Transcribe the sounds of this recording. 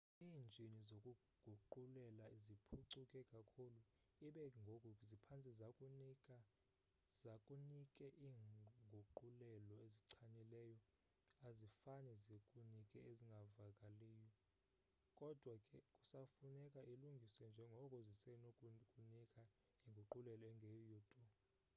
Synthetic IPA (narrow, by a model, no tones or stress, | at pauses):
iːnd͡ʒʱinizokʼu | ɡ̥ʱuǃulɛlaizipʰuǀʰukʼɛkʼakʰulu | iɓɛŋɡʱokʼuzipʰant͡sʼizakʼunikʼa | zakʼunikʼɛʔiːŋɡʱuǃulɛlɔeziǀʰanilɛːjɔ | azifanɛzekʼunikʼɛeziŋɡʱavakʼaleːjɔ | kʼɔd̥ʱwakʼɛkʼusafunɛkʼaʔiluŋɡʱiswɛnd͡ʒʱɛŋɡʱɔkʼuzisɛnokʼkʼunikʼa | iŋɡʱuǃulɛlɔɛŋɡʱejjuːtʼɔ